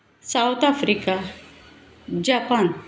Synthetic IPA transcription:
sawt̪afɾika | d͡ʑapan

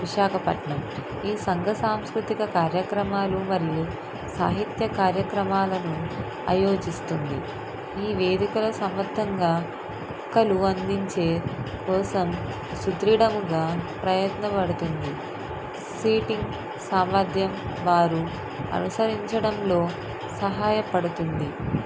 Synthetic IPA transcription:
ʋiʃaːkɐpɐʈɳɐm | iːsɐŋɡʱɐsaːmskɾut̪ikɐkaːɾjɐkɾɐmaːlumɐɾiju | saːɦit̪jɐkaːɾjɐkɾɐmaːlɐnu | a̰jo̞ːd͡ʒist̪und̪ḭ | iːʋe̞ːd̪ikɐlɐsɐmʋɐd̪ʱːɐŋɡaː | ɐkːɐluɐnd̪iɲt͡ʃe̞ːkɔːsɐm | sut̪ɾiɽɐmuɡaːpɾɐjɐt̪nɐpɐɽut̪und̪i | siːʈiŋɡ | saːmʋɐɾd̪ʱjɐmʋaːɾu | ɐ̰nusɐɾiɲt͡ʃɐɽɐmlo̞ː | sɐɦaːjɐpɐɽut̪und̪i

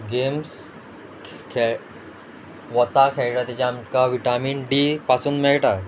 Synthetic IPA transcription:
ɡems | kʰ | ʋɔt̪akʰeɭʈat̪it͡ɕaːmkaʋiʈamiːnɖiːpasuːnmeɭʈa

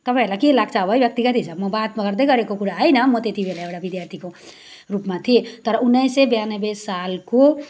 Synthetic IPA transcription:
t̪əbɛlakielak̚t͡ʃabəjbjək̚t̪iɡat̪isəbmobat̪mãkəɾd̪ekʌɾekokuɽaajnəmot̪et̪ʰibʱelaeɽabid̪jaɾt̪ʰiko | ɾupmat̪ʰit̪əɾunːəjsebjanəbesalko

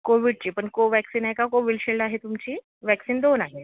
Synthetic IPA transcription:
koʋiɽt͡ɕiːpəɳkoʋɛksiːnaɦjkakoʋilɕeɭɖaɦet̪umt͡ɕiː | ʋɛksiːnd̪onaɦe

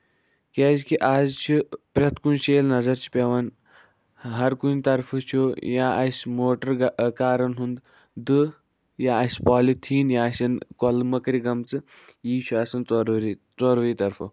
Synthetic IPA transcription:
kʲazkiʔad͡zt͡ʃʰipɾʲɐt̪kunɕeːlnɐzɐɾt͡ʃʰi̥pʲeʋɐn | ɦɐɾkunʲt̪ɐɾfət͡ʃʰojaʔɐsʲmoːʈəɾɡkaːɾɐnɦund̪ | d̪ɨ | jaɐsʲpɔːlit̪ʰiːnjasɐnkɔlməkɾiɡɐmt͡sɨ | jiːt͡ʃʰuaːsɐnt͡soɾɾi | t͡soːɾʋəit̪ɐɾfɐ̰

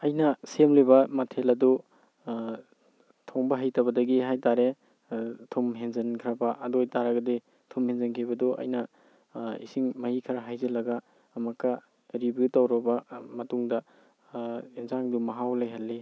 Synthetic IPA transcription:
ɐjnɐsemlibɐmɐtʰelɐdu | tʰoŋbɐɦajtɐbɐdɐɡiɦajtaɾe | tʰumɦeŋzɐnkʰɾɐbɐʔɐdojtaɾɐɡɐdi | tʰumhenzɐnkʰibɐdɔʔɐ̰jnɐ | ḭsiŋmɐhikʰɐɾaɦajzelɐɡɐː | mɐkːɐ | ɾibjutawɾɐbɐmɐtuŋdɐ | inzaŋdumɐɦawlajɦɐlːi

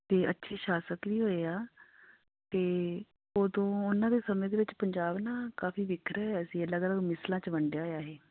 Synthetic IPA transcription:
t̪eːə̰tːʃʰeːʃaːsəkʋiːɦoːeːaː | keː | oːd̪õːʊnãːd̪eːsəmẽːd̪eːʋɪt͡ʃpəɲd͡ʒaːbnaːkaːfiːʋɪkʰɾɛɛːəsĩːələɡələɡmɪslãːt͡ʃəʋəɳɖjaːaːɦeː

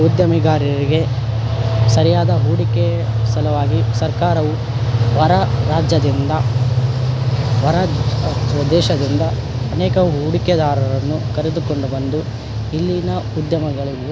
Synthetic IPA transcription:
ud̪jɐmiɡaːɾiɐɾiɡe̞ | sɐɾijaːd̪ɐɦuːɽikesɐlɐʋaːɡisɐɾkaːɾɐʋu | ʋɐɾɐɾaːd͡ʒjɐd̪ind̪ɐ | ʋɐɾɐ | ɐd̪ɛːʃɐd̪ind̪ɐː | nɛːkɐɦuːɽiked̪aːɾɐɾɐnːukɐɾed̪uko̞ɳɖubɐnd̪u | ilːinɐud̪jɐmɐɡɐɭiu

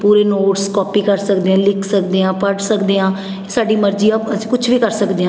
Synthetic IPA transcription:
puːɾeːnoːʈskɔːpiːkəɾsəkd̪eːãːlɪkʰsəkd̪eːãːpəɖsəkd̪eːãː | saːɖiːməɾd͡ʒiːaəsĩːkʊt͡ʃʰʋiːkəɾsəkd̪eːãː

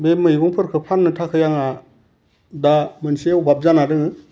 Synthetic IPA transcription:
bemɯjbɔŋpʰɯɾkʰɯpʰannɯtʰakʰɯjaŋa | damɯnseubap̚zanadɯŋɯ

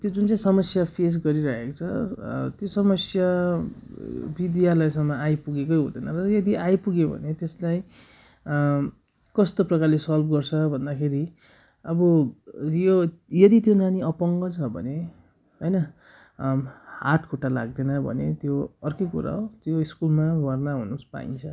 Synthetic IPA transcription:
t̪jod͡zunt͡saĩsʌmʌsjapʰes̬ɡʌɾiɾʌɦekot͡sʰʌt̪josʌmʌsja | bid̪jalajsʌŋmːʌajpuɡekʌjɦo̰d̪ʌjnʌrʌjʌd̪iajpuɡebʱʌ̰net̪eslaj | kʌst̪oprʌkarlesʌlbɡʌrt͡sʰʌbʱʌnd̪akʰeɾi | ʌbʌjojʌd̪it̪jonaniʌpʌŋɡʌt͡sʰʌbʱʌ̰ne | ɦʌjnʌ | ha̰ʈʰkʰoʈala̰ɡ̚d̪enʌbʱʌ̰net̪joʌrkʌjkuɾa̰ot̪joiskulmaɡʱʌrnaɦṵnuspa̰ḭnt͡sʰʌ

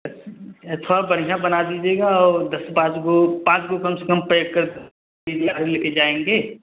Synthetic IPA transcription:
ɐt̪ʰʋabɐɽijãbɐnad̪iːd͡ʒeːɡaɔːɾd̪ɐspãːt͡ʃɡopãːt͡ʃɡokɐmsekəmpɾəjoːɡ̚kəɾd̪ | iːd͡ʒaːɾeleked͡ʒaːẽːŋɡeː

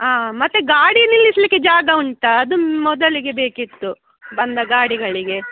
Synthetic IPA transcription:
aːmɐt̪ːeɡaːɽinilːisɐlikːed͡ʒaːɡɐuɳʈɐːd̪umɔd̪ɐɭiɡe̞be̞ːkit̪ːu | bɐnd̪ɐɡaːɽiɡɐɭiɡe̞

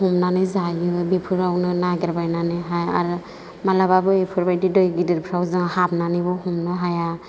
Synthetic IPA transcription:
ɦumnanɯzajɯbepʰɯɾbawnɯnaɡɛɾbajnanɯjɦaja̰ɾ | malababɯepʰuɾbajdidɔjɡidiɾpʰɾawzaŋhab̚nanɯbɔhumnɯɦaja

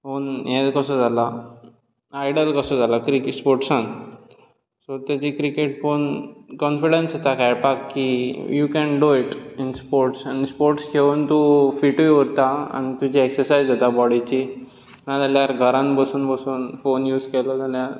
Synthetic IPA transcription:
fonjẽkəsɔd͡zʱala | ajɖəlkəsɔd͡zʱalakɾikspoɾʈsãn | sot̪jat͡ɕikɾikeʈfonkɔnfiɽensat̪akajpakːijukɛnɖuiʈinspoɾʈsañispoɾʈskʰeʋuːnt̪ufiʈujʋəɾt̪aa̰ñit̪ud͡ʑieksəɾsajzd͡zat̪abɔɽit͡ɕi | nad͡zaljaɾɡʱəɾãnbəsuːnbəsuːnfonjuːd͡zkelɔd͡zalja

